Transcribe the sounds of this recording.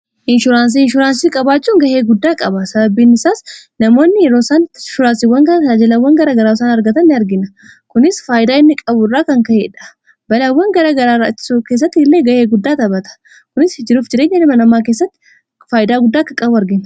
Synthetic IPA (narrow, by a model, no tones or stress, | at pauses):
ʔɪnʃʊɾaːns̬iɪnʃʊɾaːnsiːkʼɐbaːt͡ʃːuːŋɡɐheːɡʊd̪ːaːkʼɐbɐsɐbɐbːiːnːɪsaːsnɐmo̞ːnːɪjɛɾoːsaːnʃʊɾaːnsɪwːɐŋkɐnaːd͡ʒɛlɐwːɐŋɡɐɾaːɡɐɾaːsaːnɐɾɡɐt̪ɐnːɪɐɾɡɪnɐ | kʊnɪsfaːjɪd̪aːɪnːɪkʼɐbʊrːaːkɐŋkɐhḛːᶑɐ̥ | bɐlɐwːɐŋɡɐɾaːɡɐɾaːɾaːt͡ʃːɪ̥sukeːs̬ːɐt̪ːɪɪlːeːɡɐheːɡʊd̪ːaːt̪ɐbɐt̪ɐ̥ | kʊnɪshɪd͡ʒɪɾuːfd͡ʒɪɾeːɲːɐnɪmɐnɐmːaːk̬eːsːɐt̪ːɪ̥ | faːjɪd̪aːɡʊd̪ːaːkːɐkʼɐbʊɐɾɡɪn